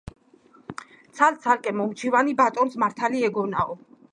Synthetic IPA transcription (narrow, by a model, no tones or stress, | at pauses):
t̪sʰalt̪sʰalkʼɛmɔmt͡ʃʰivanibat̪ʼɔnsmaɾt̪ʰaliɛɡɔnaɔ